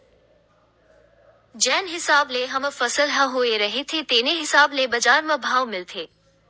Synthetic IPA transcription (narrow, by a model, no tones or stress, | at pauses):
d͡ʒɛːnɦɪsaːbleɦɐmfɐsəlɦɐ̃ɦueɾɐɦit̪ʰet̪eːneɦɪsaːblebɐzaːɾmãbʱaːʋmɪlt̪ʰeː